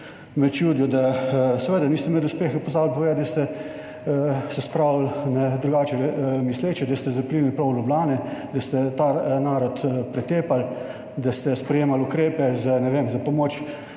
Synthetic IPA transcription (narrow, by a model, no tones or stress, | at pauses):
mɛt͡ʃjuːd̪jɔd̪asɛʋeːd̪aniːst̪ɛmɛd̪ʊspeːxɛpɔzaːwlpɔʋeːd̪ɐst̪ɛ | sɛspɾaːwlnɛd̪ɾuɡaːt͡ʃɛmisleːt͡ʃɛd̪ast̪ɛzɐplinipɾɔwlʲjublaːnɛd̪ɐst̪ɛt̪anaːɾɔt̪pɾɛt̪eːpal | d̪ast̪ɛspɾɛjeːmalʊkɾeːpɛzanɛʋeːmzapɔmoːt͡ʃ